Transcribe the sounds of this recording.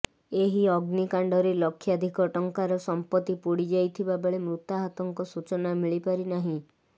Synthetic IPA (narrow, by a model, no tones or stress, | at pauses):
eɦiɔɡnikaɳɖɔɾelɔkʰːjad̪ʱikɔʈɔŋkaɾɔsɔmpɔt̪ːipuɽid͡ʒajt̪ʰibabeɭemɾut̪aɦat̪ɔŋkɔsut͡ʃɔnamiɭipaɾinaɦĩ